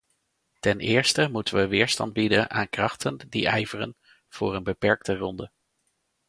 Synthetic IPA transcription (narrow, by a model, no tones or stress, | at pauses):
tɛnʔɪːɹstəmutənʋəʋɪːɹstɑ̰nd̚bidənʔa̰ːnkrɑχtəndḭɛjvərə̰n | v̥ʊːɹənbəpɛɹk̚tərɔndə